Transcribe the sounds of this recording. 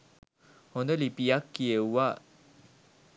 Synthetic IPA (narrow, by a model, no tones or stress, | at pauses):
hond̪əlipijakːiewa